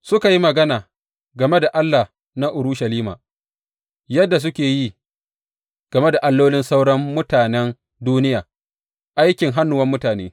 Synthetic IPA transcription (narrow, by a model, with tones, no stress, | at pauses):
sʊ˦ka˨ji˦mɐ˨ɡɐ˦naː˨ | ɡɐ˨me˦da˨ʔa˦lːa˨ | na˦ʔʊ˨ɾʊ˦ʃɐ˨liː˦ma̰ː˨ | jɐ˦dːa˨s̬ʊ˦kʲeː˨ji˦ | ɡ̥ɐ˨me˦da˨ʔa˦lːoː˦lɪ˦nsa˦wɽɐ˦mːʊ˦taː˨nɛ˦n | duː˦nɪ˦jaː˨ | ʔa˦jkʲɪ˨ŋɦa˦nːʊ˨wɐ˦mːʊ˦taː˨nḛː˦